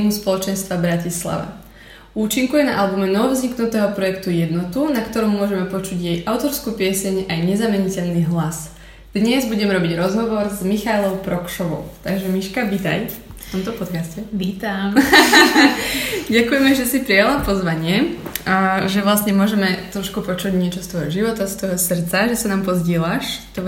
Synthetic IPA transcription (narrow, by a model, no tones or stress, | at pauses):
muspɔlɔt͡ʃɛnst̪ʋabɾacisla̰ʋa̰ | uːt͡ʃiŋkujɛna̰ʔalbumɛnɔʋɔvzɲiknut̪ɛːɦɔpɾɔjɛkt̪ujɛd̪nɔt̪unakt̪ɔɾɔmːʊɔʒɛmɛpɔt͡ʃuɟjɛjʔaʊt̪ɔɾskuːpɪɛsɛɲajɲɛzamɛɲicɛʎniɦlas | d̪̥ɲɛzbuɟɛmɛɾɔbiɟɾɔzɦɔʋɔɾzmixalˠɔʊpɾɔkʃɔʋɔ̰ʊt̪aɡʒɛmiʃkabit̪a̰jft̪ɔmt̪ɔpɔt̪kascɛʋiːt̪am | ɟakujɛmɛʒɛsipɾijalapɔzʋaɲɪɛ | ʒɛʋlasɲɛmʊɔʒɛmɛt̪ɾɔʃkupɔt͡ʃuɟɲɪɛt͡ʃɔst̪ʋɔjɦɔʒiʋɔt̪ast̪ʋɔjɦɔsrt̪t͡saʒɛsanaːmpɔzɟɪɛlaʃt̪ɔ